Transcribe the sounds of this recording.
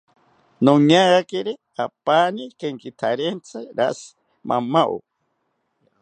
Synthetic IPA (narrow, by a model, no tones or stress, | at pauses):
nõɲaɡakeɾe | apaːnikeŋkit̪ʰaɾent͡sʰaɾas | ma̰maʔo̰